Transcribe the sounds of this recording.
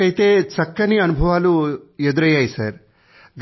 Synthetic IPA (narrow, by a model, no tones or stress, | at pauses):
ɐjt̪eːt͡sɐkːɐniɐnubʱɐʋaːlued̪uɾɐjːaːjisɐɾ | ɡ